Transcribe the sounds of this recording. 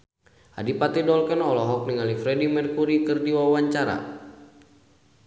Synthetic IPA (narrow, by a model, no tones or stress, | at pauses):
ʔadipat̪idɔlkɛnɔlɔɦɔk̚niŋalifɾɛdimɛrkuɾikɨrdiwawaɲt͡ʃaɾa̰